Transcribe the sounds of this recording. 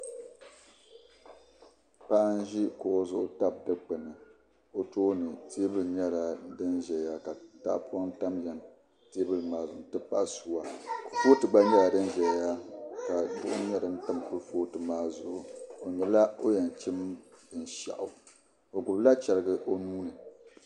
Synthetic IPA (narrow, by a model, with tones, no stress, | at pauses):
pa˦ʔn˦ʒi˦ko˨ʔo˨zʊ˦ʔʊ˦ta˦b̚dɨ˦k͡pɨ˨nɨ˨ | o˨toː˦nɨ˨tʰe˦bɨ˦lɲɛ˦la˨dɨ˦nʒɛ˨ja˦ka˨˦ta̰˦ʔpu˦a˦ŋn̩˦ta˦mjɛ˨n | te˦bɨ˦lmaː˨zʊ˨˦tɨ˦pa˦ʔsu˦wa˨ku˨foː˦tɨ˨ɡ͡ba˦ɲɛ˦la˨dɨ˦nʒɛ˨lja˦ka˨bʊ̰˦ʔʊ̰˦ɲɛ˦dɨ˨n̩˦ta˦˨m˨ku˦foː˦tɨ˨maː˦zʊ˨ʔʊ˨o˨ɲɛ˨la˦o˦jɛ˨n˨t͡ʃi˦mbɨ˨n˨ʃa̰˨ʔʊ˨ | o˨ɡʊ˨bla˦t͡ʃɛ˨ɾɨ˨ɡɨ˨ʔo˦nuː˦nɨ˨